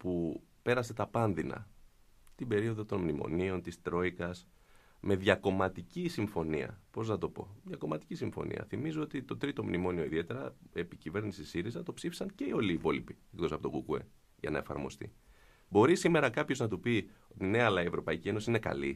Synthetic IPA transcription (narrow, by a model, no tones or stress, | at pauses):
pu | pe̞ɾɐse̞t̪ɐpɐnðinɐ̰ | t̪ibe̞ɾio̞ðo̞t̪o̞nmnimo̞̰nio̞nt̪ist̪ɾo̞ikɐs | me̞ðʝɐko̞mɐt̪icisiɱfo̞niɐ̰po̞znɐt̪o̞po̞̰ðjɐko̞mɐt̪i̥cisiɱfo̞̰nḭɐ̰θimizoo̞t̪it̪o̞t̪ɾit̪o̞mnimo̞nio̞iðiet̪e̞ɾɐepicive̞ɾnisisiɾizɐt̪o̞psifi̥sɐnce̞io̞liːpo̞lipie̞kt̪osɐpo̞t̪o̞ɡukue̞̰ | ʝɐ̰nɐe̞fɐ̰ɾmo̞̰st̪ḭ | bo̞ɾisime̞ɾɐkɐpço̞znɐt̪upio̞t̪ine̞ɐlɐievɾo̞pɐicieno̞siine̞kɐ̰li